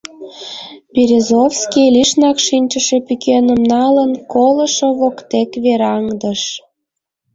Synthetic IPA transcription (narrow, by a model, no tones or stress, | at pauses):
piɾʲezofskʲilʲiʃnɑkʃinʲt͡ɕəʃe̽pykenəmnɑlənkolə̆ʃoβokt̪ekβeɾɑŋd̪əʃ